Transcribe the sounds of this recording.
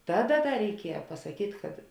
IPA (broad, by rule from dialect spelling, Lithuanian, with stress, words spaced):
ˈtɑːˌdɐ ˈdɐ rʲɛɪˈkʲiɛjɛ pɐsɐˈkʲiːtʲ kɐt